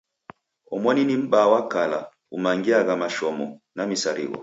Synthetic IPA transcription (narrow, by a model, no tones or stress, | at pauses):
ɔmwaninim̩bawakala | umaŋɡiaɣamaʃɔmɔnamisaɾḭɣɔ̰